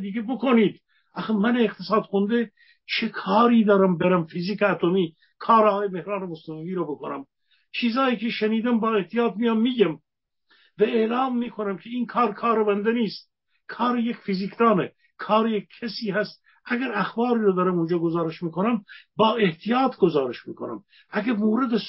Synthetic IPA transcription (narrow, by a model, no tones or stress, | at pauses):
d̪iːɡʲebokʰoniːd̪ | ʔæximæneːqt̪ʰesɑːd̪xond̪e | t͡ʃʰekʰɑːɾiːd̪ɒːɾæmbeɾæmfiziːkeæt̪ʰomiː | kʰɑːɾɒːɑːjemehɾɑːnemosnemliːɾɔbokonæ̰m | t͡ʃʰiːzɑːjiːkʲʰeʃeniːd̪æmbɒːe̞ht̪ijɑːt̪̚mijɑmːiːɡæm | væeːlɑːmːiːkʰonæmkʲʰeiːnkʰɑːɾkʰɑːɾebænd̪eniːst̪̚ | kʰɑːɾejekʲfiziːkʰd̪ɑːne | kʰɑːɾejekʰːesiːhæst̪̚ | ʔæɡæɾæxbɑːɾiːɾɑd̪ɑːɾæmund͡ʒɑːɡozɑːɾeʃmiːkʰonæmbɒːeht̪ʰijɑːt̪ʰɡozɑːɾeʃmḭːkʰonæ̰m | æɡæmoːɾed̪es